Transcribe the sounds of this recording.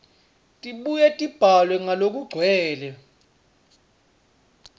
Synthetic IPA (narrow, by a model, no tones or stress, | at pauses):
tʼiɓujɛtʼib̥ʱalwɛŋalok̬ʼuɡ͡ǀʱwɛːlɛ